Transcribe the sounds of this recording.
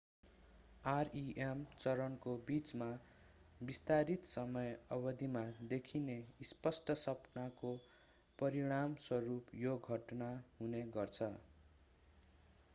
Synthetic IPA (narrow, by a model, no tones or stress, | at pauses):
ariʔemt͡sʌɾʌnkobit͡sma | bist̪aɾit̪sʌmʌjʌbʌd̪ʱimad̪ekʰineispʌsʈʌsʌpnako | pʌɾiɽ̃amswʌɾupjoɡʱʌʈnaɦuneɡʌrt͡sʰʌ